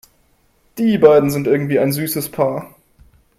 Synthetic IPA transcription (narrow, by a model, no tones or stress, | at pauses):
d̥iːbaɪdn̩zɪntʔɪɐɡŋ̩tv̥iːaɪnzyːsəspʰaːɐ